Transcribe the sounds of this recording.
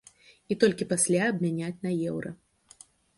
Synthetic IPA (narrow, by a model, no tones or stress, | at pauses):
it̪ɔlʲkʲipasʲlʲaɐbmʲanʲat͡sʲnɐjɛwɾɐ̰